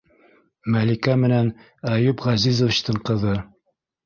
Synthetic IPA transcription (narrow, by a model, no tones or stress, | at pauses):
mælikæmɘ̆næn | æjupʁɑzizŏv̆ɕt̪ɤɴqɤ̆ðɤ